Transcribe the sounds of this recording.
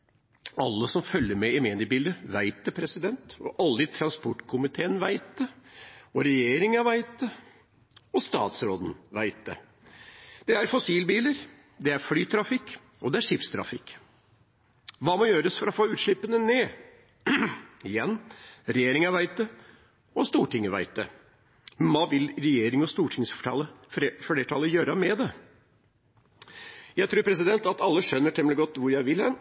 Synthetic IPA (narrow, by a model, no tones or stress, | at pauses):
ɑlːəsɔmfœljːəɾmɛɪmeːnɪbiːld̪əʋæɪt̪̚d̪ɛpʰɾɛsɪd̪ɛnt̪ɔ̰ʔɑlːəɪt̪ʰɾɑnspɔʈːkʰʊmɪt̪ʰeːənʋæɪt̪̚d̪ɛɔɾɛjeːɾɪŋɑʋæɪt̪̚d̪ə | ɔst̪ɑ̰ːt̪sɾoːd̪n̩ʋæɪt̪̚d̪ɛ̰ | d̪̥ɛæɾfɔsiːlbiːləɾ | d̪ɛæɾfɽyːt̪ʰɾɑfɪkː | ɔd̪ɛæʂɪpst̪ʰɾɑ̰fɪkː | ʋɑːmɔjøːɾəsfɔɾɔfoːʉːt̪ʂɭɪpːənəneː | ɪjɛnːɾɛjeːɾɪŋəʋæɪt̪ə | ɔst̪uːʈɪŋəʋæ̰ɪt̪ə̰ | ʋɑːʋɪlɾɛjeːɾɪŋɔst̪uːʈʰɪŋsfʈʰɑləfeːʈʰɑləjøːɾəmɛd̪ɛ | jæɪt̪ʰɾuːɾpʰɾɛs̬ɪd̪ɛnt̪ɑt̪ɑlːəʂœnːəʈʰɛmlɡɔt̪ːʋʊɾjæɪʋɪlɛn